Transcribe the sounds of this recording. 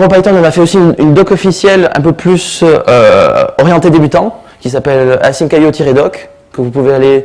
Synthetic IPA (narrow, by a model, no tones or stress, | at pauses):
ʁɔpait̪ɔ̃nɔ̃nafɛosinynd̪ɔkɔfisjɛlɛ̰̃pøplysø̰ɔʁjɑ̃t̪ed̪ebyt̪ɑ̃ | kʲisapɛla̰sinkajot̪ʰiʁed̪ɔk | kːəvupuveale